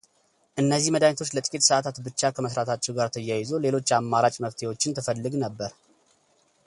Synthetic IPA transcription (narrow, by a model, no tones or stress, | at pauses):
ʔɨnːəzːihməd̪aɲt̪ʰo̞t͡ʃːlət̪ʼɨkʼit̪səʔat̪ʰat̪bɨt͡ʃːakʰəməsɾat̪ʰat͡ʃːɛwɡaɾt̪ʰəjːajɪzole̞lo̞t͡ʃːamːaɾat͡ʃʼməft̪ʰe̞wo̞t͡ʃːɪnt̪ʰɨfəlːɨɡnəbːəɾ